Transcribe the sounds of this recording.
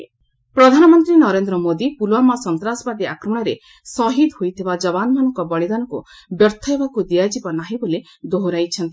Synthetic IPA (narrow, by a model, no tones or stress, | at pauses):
pɾɔd̪ʱanɔmɔnt̪ɾinɔɾend̪ɾɔmod̪ipulwamasɔnt̪ɾasɔbad̪iakɾɔmɔɽ̃ɔɾe | sɔɦid̪hojt̪ʰibad͡ʒɔbanɔmanɔŋkɔbɔɭid̪anɔkṵbjɔɾt̪ʰɔɦebakud̪iad͡ʒibɔnaɦĩbole | d̪oɦɾajt͡ʃʰɔnt̪i